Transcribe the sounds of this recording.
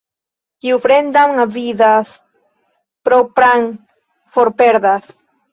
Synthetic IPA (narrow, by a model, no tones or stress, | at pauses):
kiufɾend̪amavid̪as | pɾopɾaŋ | foɾpeɾd̪as